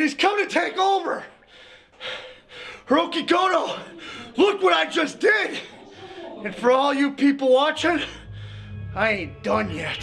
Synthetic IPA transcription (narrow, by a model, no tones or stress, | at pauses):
ɾiz̥kʰʌ̃mtʰɨtʰeɪkoʊvə˞ | ɹoʊkiɡoʊɾoʊlʊkwʌɾaɪd͡ʒʌsd̥ɪd̥ | ɨ̃nfə˞ɔlˠjɨpʰipl̩ˠwɑt͡ʃɪ̃n | aɪẽɪ̃nd̥ʌ̃njɛt̚